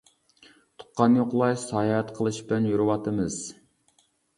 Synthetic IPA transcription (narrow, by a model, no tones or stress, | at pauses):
t̪ʰʊ̥qːɑnjoqlˠɑjsɑːjɛt̪qʰəlˠɨʃbɪlɛnjuɾɨwɑt̪ɨmɨz̥